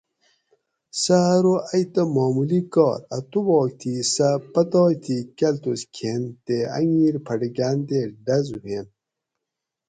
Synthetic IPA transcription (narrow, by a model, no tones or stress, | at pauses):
saɾoɐjt̪ɐmoːmulikɔ̰ːɾɐ̰t̪uboːk̚t̪ʰisapɐt̪ɔːjt̪ʰikɐlt̪uskʰent̪eɐ̰ŋiːɾpʰɐɖiɡaːnd̪eɖɐzuwen